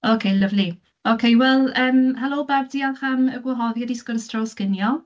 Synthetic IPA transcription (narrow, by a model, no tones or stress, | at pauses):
okʰejləvli | okʰejwɛlˠəːmhɛlˠoːbab̚diːalˠχaməɡwɛɦɔðjadiskɔɾəstrawskɪnjɔ